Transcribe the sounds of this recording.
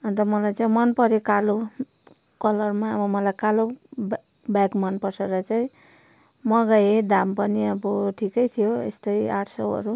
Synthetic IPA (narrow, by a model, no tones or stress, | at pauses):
ʌnt̪ʌmʌlajt͡saĩmʌnpʌɾekalo | kʌlʌrmaʌbʌmʌlajkalo | bakmʌnpʌseɾʌt͡saĩ | mʌɡajed̪ampʌniʌboʈʰikʌjt̪ʰijoḛst̪ʌjaʈʰsʌʌ̰ɾu